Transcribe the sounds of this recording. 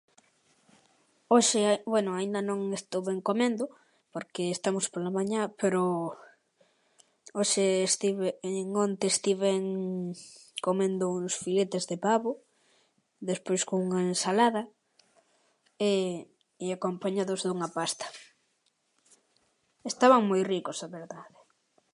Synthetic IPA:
oʃebwɛnʊaind̪ɐnõŋest̪owβeŋkomẽnd̪ʊ | poɾkeːst̪amospolamaɲãpeɾo | oʃeːst̪iβeŋont̪eːst̪iβeŋ | komẽnd̪ouŋsfilet̪ezðepaβo | ðespojskoŋuŋaensalaðɐ | e | iakompaɲaðʊzðuŋɐpast̪ɐ̥ | est̪aβaŋmojrikosaβeɾðaðe

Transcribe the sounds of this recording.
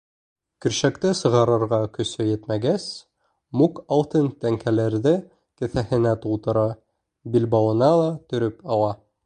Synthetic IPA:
kɵ̆ɾɕækt̪ɘsɤ̆ʁɑɾɤ̆ɾʁɑkɵ̆sɵjɘt̪mæɡæs | mukɑlˠt̪ɤnt̪æŋkʰælæɾðɘ | kɘ̆θæhɘ̆næt̪ulˠt̪ɤ̆ɾɑ | bilbɑwɤ̆nɑlˠɑt̪ɵ̆ɾɵpɑwɑ

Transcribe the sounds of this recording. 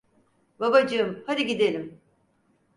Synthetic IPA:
babad͡ʒɯɯmhad̪ʲiɟid̪elʲim

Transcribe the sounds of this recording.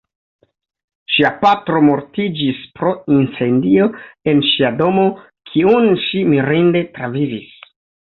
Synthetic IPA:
ʃiapatɾo̞mo̞ɾtid͡ʒispɾo̞int͡se̞ndio̞e̞nʃiado̞mo̞ | kʰiunʃimiɾinde̞tɾavivis

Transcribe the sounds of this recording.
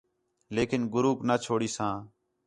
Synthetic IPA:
leːkɪnɡʊɾuːknaːt͡ʃʰoːɽiːsãː

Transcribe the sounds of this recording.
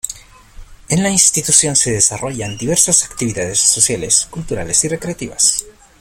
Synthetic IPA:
enlainst̪it̪usjo̞nse̞ðesaro̞ʝand̪iβe̞ɾsosakt̪iβiðaðe̞sːo̞sjaleskult̪uɾa̰le̞sire̞kɾe̞at̪iβa̰s

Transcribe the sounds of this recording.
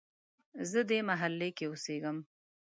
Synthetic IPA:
zəd̪emaɦalːekeʊseɡəm

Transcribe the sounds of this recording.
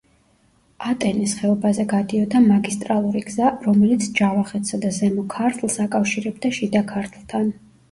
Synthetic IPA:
at̪ʼɛnisχɛɔbazɛɡad̪iɔd̪amaɡist̪ʼɾalˠuɾiɡzaɾɔmɛlit̪sʰd͡ʒavaχɛt̪ʰsad̪azɛmɔkʰaɾt̪ʰlˠsakʼafʃiɾɛb̚d̪aʃid̪akʰaɾt̪ʰlˠt̪ʰan

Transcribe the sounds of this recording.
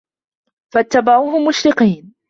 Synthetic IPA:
fat̪ːabaʕuːɦʊmːʊʃɾɪqiːn

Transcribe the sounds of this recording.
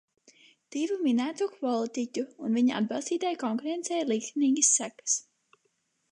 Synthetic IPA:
t̪ivuminæːt̪ukvɔlˠit̪icʲuːnviɲaa̰d̪bɑlˠst̪iːt̪ajkɔŋkuɾɛnt̪sɛjlˠikt̪iniːɡʲisːækḁs

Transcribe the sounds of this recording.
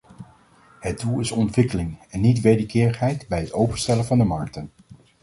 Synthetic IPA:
ɦət̚dulˠɪsɔntʋɪkəlɪŋɛnːitʋejdəkɪːɹəχɦɛjtbɛjɦətowpənstɛlənvɑndəmɑ̰ɹk̚tən

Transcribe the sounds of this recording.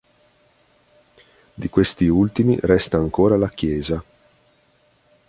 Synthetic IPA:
d̪ikwest̪iult̪imḭrɛst̪aːŋkoːɾalakjɛːza

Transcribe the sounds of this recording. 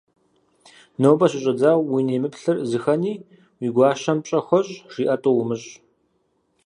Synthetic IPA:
nowbɐɕʼɪɕʼɐd͡zaːwwineːmɨpɬɨrzɨxɐniː | wiːɡʷɑːʃɐmɕʼɐxʷɔɕʼʂiːʔɐtʼowʊmɨɕʼ

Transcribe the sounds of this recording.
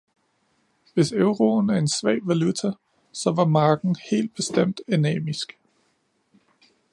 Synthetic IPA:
ʋe̝søʊʁo̝næɐe̝nsʋɛ̰ɪʋælut͡sʰæ | sɒ̽ʋɑ̈mɑ̈ːɡ̥n̩he̝̰ːld̥̚b̥e̝sd̥em̰d̥enɛ̰ːmisɡ̥

